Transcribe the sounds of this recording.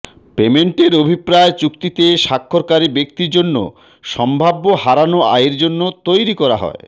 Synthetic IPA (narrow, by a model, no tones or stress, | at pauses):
pemeɳʈeɾobʱipɾaet͡ɕukt̪it̪eʃakʰːoɾkaɾibekt̪iɾd͡ʑonːo̰ | ʃɔmbʱabːohaɾanoa̰iɾd͡ʑonːot̪ojɾikɔɾa̰ɦɔ̰e